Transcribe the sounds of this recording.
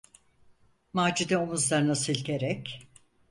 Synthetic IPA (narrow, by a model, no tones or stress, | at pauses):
maːd͡ʒid̪ɛomuzd̪aɾnasɯlʲɟʲeɾɛc